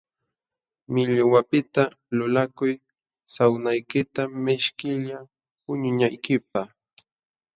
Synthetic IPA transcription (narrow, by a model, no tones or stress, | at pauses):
mɪʎwapɪt̪alʊlakʊj | sawnajkɪt̪amɪʃkɪʎa | pʊɲʊɲajkɪp̚ah